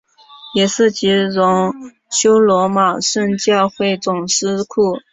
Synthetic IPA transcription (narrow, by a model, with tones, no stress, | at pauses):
jɛ˨˩ʂɻ̩˥˩t͡ɕi˧˥ɻʊ˧˥ŋ | ɕjo˥ʊlwɔ˧˥ma˨˩ʂə˥˧nt͡ɕjɑ˥˧ʊxwe˥˩ɪt͡sʊ˨˩ŋʂɻ̩˥kʰu˥˩